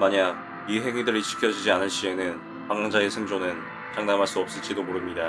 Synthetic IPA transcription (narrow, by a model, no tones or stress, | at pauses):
maɲa | iɦe̞ŋidɯɾit͡ɕʰi̥kʰjʌd͡ʑid͡ʑianɯɭɕ͈ie̞nɯn | paŋaŋd͡ʑaesʰɯŋd͡ʑonɯn | t͡ɕaŋdamɦaɭs͈uʌp̚s͈ɯt͡ɕ͈idomoɾɯmɲida